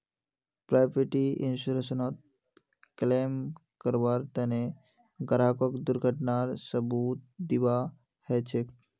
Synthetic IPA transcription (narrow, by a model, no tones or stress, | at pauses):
pɾajbəʈiḭnsuɾesənot̪̚ | klemkəɾbaɾt̪ene | ɡəɾakəkd̪uɾɡʱəʈnaɾsəbut̪̚d̪iba | hɛt͡ʃʰek